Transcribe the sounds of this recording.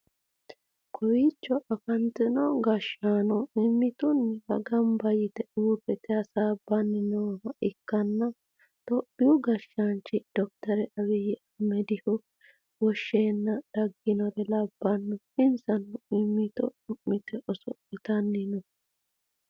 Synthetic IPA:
kʰɔwit͡ʃːɔʔɐfɐnt̪ɛnɔɡɐʃaːnɔɪmːɪt̪ʊnːɛbɐ̰ɡɐmbɐjɪt̪ɛʔuːbɛt̪ɛɐsaːbːɐnːɪnɔmɐʔɪkːɐnːɐ | t̪ɔpːɪjʊɡɐʃːant͡ʃːɪd̪̥ɔk̚t̪ɐɾɛʔɐwɛjɪʔɐmɛd̪ɪhʊ | wɔʃːeːnːɐd̪̥ɐɡːɪnɔɾɛlɐbːɐnːɔ | ɪnsɐnɔɪmːɪt̪ɔ̰ʊʔːɪt̪ɛʔɔsɔ̰ | ɪt̪ɐnːɪnɔ

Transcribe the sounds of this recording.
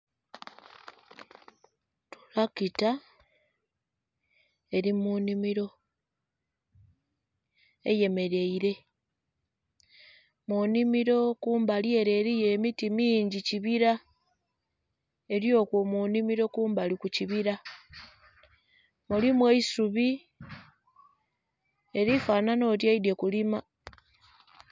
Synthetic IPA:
tu̥lakita | e̞ɾimunimiɾo̞ | ḛje̞me̞ɾe̞iɾe̞ | munimiɾo̞kuːmbalje̞ɾe̞ːɾijeːmitimiːɲɟiciβiɾa | e̞ɾjo̞kwomunimiɾo̞kuːmbalikuciβiɾa | mulimweisuβi | e̞ɾifaːnano̞ːtjaide̞kulima

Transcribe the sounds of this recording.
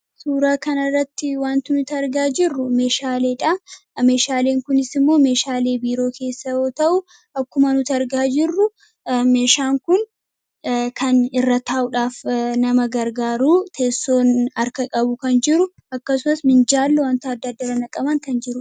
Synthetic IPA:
suːɾaːkɐnɐrːɐt̪ːɪwaːnt̪ɪnʊt̪ɐɾɡaːd͡ʒɪrːʊme̞ːʃaːle̞ːᶑɐ | me̞ːʃaːle̞ːŋkʊnɪsɪmːo̞ːme̞ːʃaːle̞ːbiːɾo̞ːkʰe̞ːsːɐoːt̪ɐʔʊ | ʔɐkːʊmɐnʊt̪ɐɾɡaːd͡ʒɪrːʊ | me̞ːʃaːŋkʊn | kʰɐnɪrːɐt̪aːʔʊᶑaːfnɐmɐɡɐɾɡaːɾuːt̪ʰeːsːo̞ːnɐɾkɐkʼɐbʊkɐnd͡ʒɪɾʊ | ɐkːɐsʊmɐsmɪnd͡ʒaːlːʊwant̪ɐɐd̪ːɐd̪ːɐɾɐnɐkʼɐbɐŋkɐnd͡ʒɪɾʊ

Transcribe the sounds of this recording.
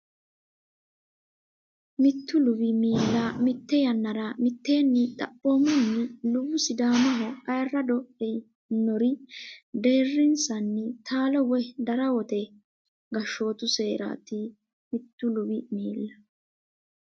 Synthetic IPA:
mɪt̪ːʊlʊbɪmiːlːɐmɪt̪ːɛjɐnːɐɾɐmɪt̪ːe̞ːnːɪt̪ʼɐ̰pːoːmɔnːɪlʊwʊsɪd̪aːmɐɦɔʔɐjrːɐd̪ɔɛ | nːɔɾɪd̪e̞ːrːɪnsɐnːɪt̪ʰaːlɔwɔd̪ɐɾɐwɔt̪ɛ | ɡɐʃːo̞ːt̪ʊse̞ːɾa̰ːt̪ɪ | mɪt̪ːʊlʊbɪmiːlːɐ

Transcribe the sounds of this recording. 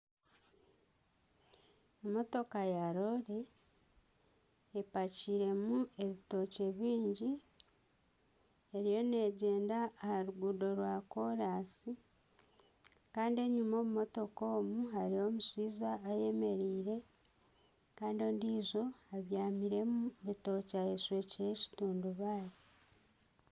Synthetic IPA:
emo̞to̞kajaɾo̞ɾe̞ | paciɾe̞mue̞βito̞ce̞βiːɲɟi | eɾijo̞ne̞ːɟe̞ːndaːhaɾuɡudo̞ɾwako̞ɾasi | kaːndie̞ɲumo̞ːmumo̞to̞ko̞ːmuɦaɾio̞musiːzaːje̞me̞ɾiːɾe̞ | kaːndio̞ːndiːzo̞aβjaːmiɾe̞muβito̞ːcaeswe̞ːciɾe̞ci̥tuːnduβaːɾi

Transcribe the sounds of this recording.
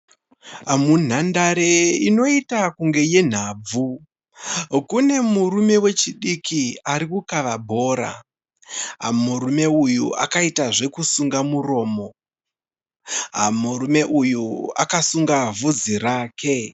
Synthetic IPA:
mun̤andaɾeino̞itakuŋɡe̞je̞n̤aːb͡vu | kune̞murume̞we̞t͡ʃiɗikʰiaɾikukaʋabʱo̞ːɾa̰ | ɦa̰murume̞ujuʔa̰kaitaʐe̞kusuŋɡamuro̞ːmo̞ | ɦa̰murume̞ʔujua̰kasuŋɡavud͡ziraːkʰe̞

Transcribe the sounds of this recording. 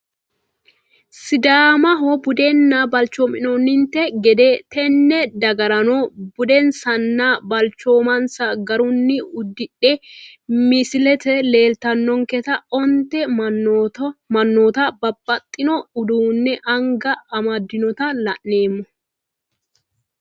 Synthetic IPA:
sɪd̪aːmɐɦobʊd̪ɛnːaːbɐlt͡ʃoːmɪnonːɪnt̪ɛɡɛd̪eːt̪ʰɛnːɛd̪ɐɡɐɾɐnobʊd̪ɛnsɐnːabɐlt͡ʃːo̞ːmɐnsɐɡɐɾʊnːɪʊd̪ːɪᶑe | mɪsɪlɛt̪ɛle̞ːlt̪ɐnːɔŋkɛt̪ɐɔnt̪ɛm | mɐnːoːt̪abɐbːɐt̪ʼːɪnɔʊd̪uːnːɛʔɐŋɡɐɐmɐd̪ːɪnɔt̪ɐlɐʔːe̞ːmːɔ

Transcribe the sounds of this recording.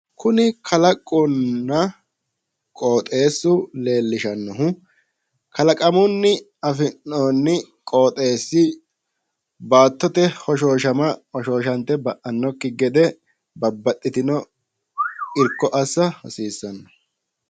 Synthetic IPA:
kʰʊnɪkʰɐlɐkʼːʊnːɐ | kʼoːt̪ʼe̞ːsːʊle̞ːlːɪʃɐnːɔɦʊ | kɐlɐkʼɐmʊnːɪ | ɐfɪnːoːnːɪ | kʼo̞ːt̪ʼe̞ːsːɪ | baːt̪ːɔt̪ɛhɔʃ̬oːʃɐmɐhɔʃoːʃɐnt̪ːɛbɐʔɐnːɔkːɪɡɛd̪ɛ | bɐbːɐt̪ʼːɪt̪ɪnɔ | ɪɾkːɔʔɐsːɐhɔsiːsːɐnːɔ

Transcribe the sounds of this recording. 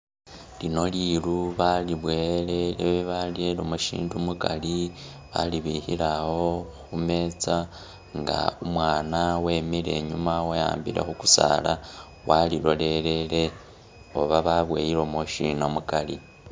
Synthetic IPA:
lino̞liluβaliβwe̞le̞leβeβalielomuʃḭːndumukali | βa̰liβihḭlaho̞xume̞t͡sa | ŋɡa̰umwaːnawe̞ːmile̞ɲumaweja̰ːmbiɾe̞̰xuku̥sa̰la | walilo̞le̞le̞le̞ | oβaβaβwe̞̰ːjiɾo̞moʃinamukali

